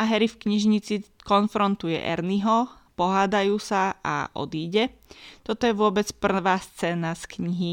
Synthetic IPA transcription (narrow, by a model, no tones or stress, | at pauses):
ʔaɦɛɾifkɲiʒɲit͡sikɔnfɾɔnt̪ujɛ̰ʔɛ̰ɾniɦɔ | pɔɦaːd̪ajuːsaa̰ʔɔ̰d̪iːɟɛt̪ɔt̪ɔjɛʋʊɔbɛt͡spr̩ʋaːst͡sɛːnaskɲiɦi